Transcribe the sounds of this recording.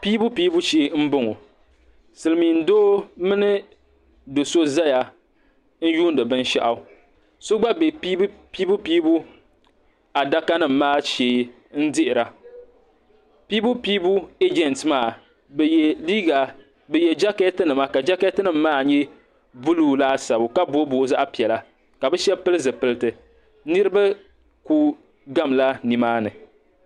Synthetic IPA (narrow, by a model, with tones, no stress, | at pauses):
piː˦bu˦pi˦bu˦ʃeː˦m̩˦bʊ˦ŋo˨ | sɨ˨lɨ˨mi˨n̩˦doː˦mɨ˦nɨ˦ | do˨so˦za˦ja˨ | n̩˦juː˦n˦dɨ˨bɨ˦n˦ʃa̰˦ʔa˨ | so˦ɡ͡ba˦be˨pi˦pi˦bu˦piː˦bu˦ | a˨da˦ka˦nɨ˦˨m̩ː˦aː˦ʃeː˨˦ | n̩˦dɪ˦ʔɪ˨ɾa˨ | piː˦bu˦piː˦bu˦e˦d͡ʒɛ˨ntmaː˦˨ | liː˦ɡa˨ | bɨ˨jɛ˨d͡ʒa˦kɛ˦tɨ˦nɨ˨ma˦ka˨d͡ʒa˦kɛ˦tɨ˦nɨ˨m̩ː˦aː˦˨ɲɛ˦ | bu˦luː˦laː˦sa˨bʊ˨ka˦bo˦boː˨˦za˦ʔa˦pi˨ɛ˨la˦ | ka˨bɨ˦ʃɛ˦pɨ˦lɨ˦zɨ˨pɨ˦lɨ˦tɨ˨ | nɨ˦ɾɨ˦ba˦ | ku˦ | ɡa˦mla˦ni˨maː˦nɨ˨